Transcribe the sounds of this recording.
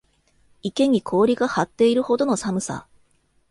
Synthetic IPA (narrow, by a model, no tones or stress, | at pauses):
ike̞ɲ̟ikʰo̞ːɾʲiɡahat̪ːe̞iɾɯ̟ho̞d̪o̞no̞samɯ̟sa̰